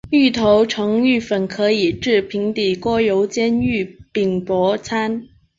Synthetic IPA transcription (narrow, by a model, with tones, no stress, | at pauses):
y˥˩t̪ʰo˧˥ʊʈ͡ʂʰɤ˧˥ŋy˥˩fə˨˩nkʰɤ˧˥i˨˩ʈ͡ʂɻ̩˥˩pʰi˧˥ŋt̪i˨˩kɔ˥jo˧˥ʊt͡ɕjɛ˥ny˥˩pi˨˩ŋpwɔ˧˥t͡sʰa˥n